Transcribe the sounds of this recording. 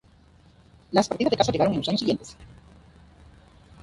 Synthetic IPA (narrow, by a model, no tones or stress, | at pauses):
laspaɾt̪iðazðekasaʝe̞ɣaɾoŋenosaɲosiɣje̞nt̪es